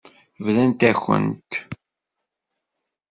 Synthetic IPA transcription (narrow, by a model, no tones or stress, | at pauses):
vlænt̪æçə̰nt̪